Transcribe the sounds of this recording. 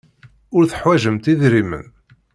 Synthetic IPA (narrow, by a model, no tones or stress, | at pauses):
ʊɾθə̥ħwæʒəmt̪iðɾimə̰n